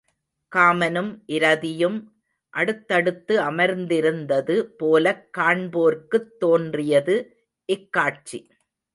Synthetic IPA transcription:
kaːmɐnɯmʔɪɾɐðɪjɯm | ʔɐɽɯt̪ːɐɽɯt̪ːɯɐmɐɾnd̪ɪɾɯnd̪ɐðɯpoːlɐkːaːɳboːɾkɯt̪ːoːndrɪjɐðɯ | ʔɪkːaːʈ̚t͡ʃi

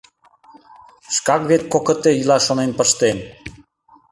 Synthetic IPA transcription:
ʃkɑkβet̪̚kokə̆t̪eilɑʃonenpəʃt̪en

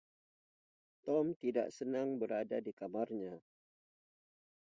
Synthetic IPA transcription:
t̪ɔmt̪ida̰ʔsənaŋbəɾadadikamarɲa

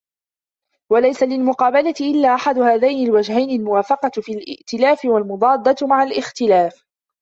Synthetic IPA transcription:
walajsalɪlmʊqɑːbalat̪ɪʔɪlːaːʔaħad̪ʊhaːðajnɪlwad͡ʒhajnɪlmʊwaːfɑqɑfilʔɪ̰ʔt̪ɪlaːfɪwalmʊd̪ˤɑːd̪ˤːɑmaʕalʔɪxt̪ɪlaːf

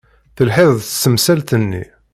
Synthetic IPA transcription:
θəlħeðˤθsːəmsælt̪ənːḭ

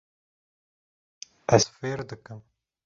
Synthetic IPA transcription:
ɛzfeːɾd̪ɨkɨm

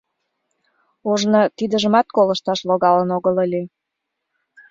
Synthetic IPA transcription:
uʒnət̪id̪əʒəmɑt̪̚koləʃt̪ɑʃloɣɑlənoɣələlʲi

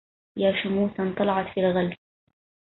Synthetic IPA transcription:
jaːʃʊmuːθant̪ˤɑlɑʕɑt̪fiːlɣald̪

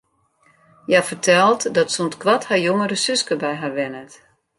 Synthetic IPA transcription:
jafərtʰɛlˠtdɔtsontkʋathajoŋəɾəsʏskəbɛjɦarʋɛnət

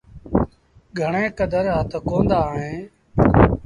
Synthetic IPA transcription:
ɡʱəɳẽːkəd̪əɾɦət̪ʰkoːnd̪aːɳẽː

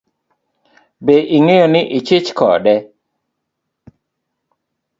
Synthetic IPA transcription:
beʔɪŋejɔnɪʔɪt͡ʃɪt͡ʃkɔ̰ɗɛ

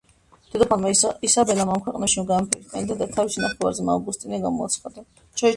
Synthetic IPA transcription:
d̪̥ɛd̪ɔpʰalmaisabɛlamamkʰwɛqʼnɛʃimɡampʰiɾt̪ʰʼɛnd̪ad̪at̪ʰaviʃinaχɛlvˠa̰ɾzɛmaɡust̪ʼinɛɡamɔat̪sʰχad̪a | t͡ʃʰɔ

